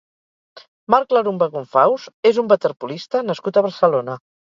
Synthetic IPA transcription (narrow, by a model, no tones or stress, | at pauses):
maɾkləɾumbəɣuɱfawzezumbət̪əɾpulist̪ənəskut̪əβəɾsəlonə